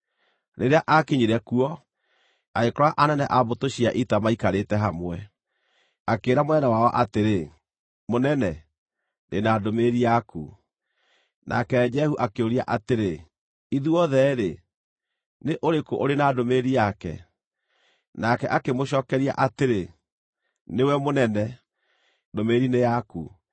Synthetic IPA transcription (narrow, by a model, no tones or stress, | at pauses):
ɾeɾeaʔakeɲiɾɛkuɔ | aekɔɾɔaʔanɛnɛʔabotoɕiaʔitamaikaɾetɛɦamwɛ | akeːɾamonɛnɛwaɔʔateɾe | monɛnɛ | nenadomeɾiakṵ | nʔa̰kɛd͡ʒɛhuʔakeoɾia̰ʔateɾe | iðuɔðɛɾe | neʔoɾekoʔoɾenadomeɾiakɛ̰ | nakɛʔakemoɕɔːkɛɾia̰ʔateɾe | newɛmonɛnɛ | domeɾinejaku